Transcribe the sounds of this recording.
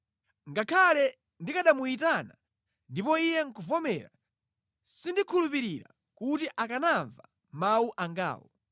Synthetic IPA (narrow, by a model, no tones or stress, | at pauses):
ŋɡakʰalɛ | ndikaɗamuitana | ndipɔijɛŋ̩kuvɔmɛɾa̰ | sindikʰulupiɾiɾa̰ | kutiʔakanaɱva | mauʔaŋɡa̰ːwɔ̰